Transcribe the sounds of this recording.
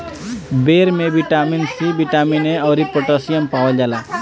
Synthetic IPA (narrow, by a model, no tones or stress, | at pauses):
beɾmẽbiʈaminsibiʈamineɔʊɾipoʈasijəmpawɔd͡ʒaːla